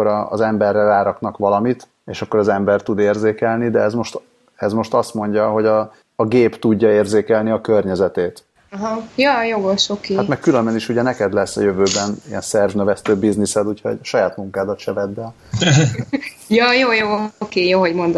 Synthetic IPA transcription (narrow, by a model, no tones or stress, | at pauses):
oɾɒ̰ːzɛmbɛrːɛraːɾɒknɒkʋɒlɒmit̪ | eːʃɒkːo̞ɾɒzɛmbɛrt̪ud̪eːrzeːkɛlnid̪ɛɛzmo̞ʃt̪ | ɛzmo̞ʃt̪ɒst̪mo̞ɲɟɒɦo̞ɟɒː | ɡeːpt̪uɟːɒeːrzeːkɛlniɒkørɲɛzɛt̪eːt̪ | ɦɒjɒːjoɡoʃokeːhtt̪mɛkkylømbɛniʃuɟɛnɛkɛd̪lɛsːɒ̰jøvøːbɛnijɛ̰nsɛrvnøvɛst̪øːbiznisɛd̪ucho̰ɟɒʃɒjaːt̪muŋkaːd̪ɒt̪ʃɛvɛd̪ːɛl | jɒːjoːjoːkeːjoːɦoɟmo̞nd̪o